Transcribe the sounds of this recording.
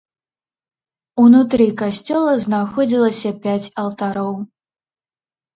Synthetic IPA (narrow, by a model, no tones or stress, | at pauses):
unut̪ɾɨkasʲt͡sʲɔlˠɐznaxɔd͡zʲilˠɐsʲɐpʲat͡sʲɐlˠt̪aɾɔw